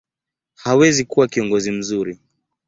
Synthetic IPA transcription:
hawɛzikuwakiɔŋɡɔzim̩zuɾi

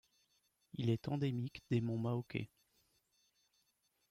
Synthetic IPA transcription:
ilɛt̪ɑ̃d̪emikd̪emɔ̃maokʲḛ

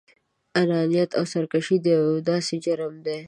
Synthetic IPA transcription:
alɑːnijat̪awsɐɾkaʃid̪eawd̪ɑːsed͡ʒaɾmd̪e

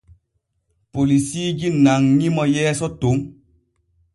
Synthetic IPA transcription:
polisiːɡinaŋɲimɔjɛːsɔtoŋ

